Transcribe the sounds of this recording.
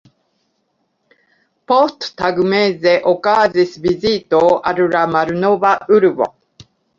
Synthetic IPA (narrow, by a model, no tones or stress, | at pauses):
post̪t̪aɡɯ̟mezeʔokaːzisɨbizit̪oʔaɾɯ̟ɾamaɾɯ̟nobaʔɯɾɯ̟bo̰